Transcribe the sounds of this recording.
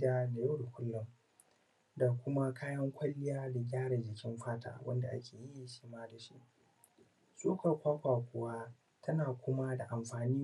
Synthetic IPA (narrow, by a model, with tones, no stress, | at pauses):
da˦la˨ja˦dʊ˨kʷʊ˦lːʊ˨m | da˨kʷʊ˦ma˦kʰaː˦jɐ˦ŋkʷɐ˦lːɪ˦jaː˦da˨ɡʲaː˦ɽa˨d͡ʒɪ˨kʲɪ˦mɸaː˦ta̰ː˨wʔɐ̰˦nda˨ʔa̰˦kʲʰeː˨ji˦ʃiː˦maː˦da˨ʃḭ˦ʔ | sʼoː˦ka˨kʷaː˦kʷaː˨kʷʊ˨wa˦ | tʰɐ˦naː˨kʷʊ˦ma˦da˨ʔa˨mɸaː˨niː˦